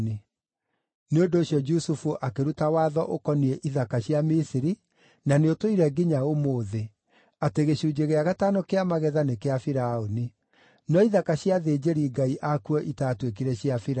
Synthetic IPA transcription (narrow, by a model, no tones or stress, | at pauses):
ni | neondoːɕjɔd͡ʒusufuʔakeɾutawaːðɔʔokɔniɛʔiðakaɕjamisiɾi | naneotoiɾɛɡiɲaomoːðe | ateɣeɕuːd͡ʑeɣeaɣataːnokeamaɣɛðanekeafiɾaoni | nɔiðakaɕjaðeːd͡ʒeɾiːɡaiʔakuɔʔitaːtwek̬iɾɛɕiafiɾ